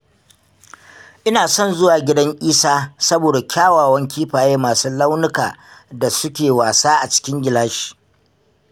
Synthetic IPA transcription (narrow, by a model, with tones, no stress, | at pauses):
ʔɪ˦naː˨sɔ˦˨nzʊ˦waː˨ɡʲɪ˦dɐ˦ŋʔʲʼiː˦saː˦sɐ˦boː˨da˨kʲaː˦waː˨wɐ˦ŋkʲiː˦ɸaː˨jeː˦maː˨suː˦lɐ˦wnʊ˦ka̰ː˨da˨sʊ˦kʲeː˨waː˨saː˦ʔa˨t͡ʃɪ̥˦kʲɪ˦ŋɡʲɪ˨laː˦ʃi̥ː˨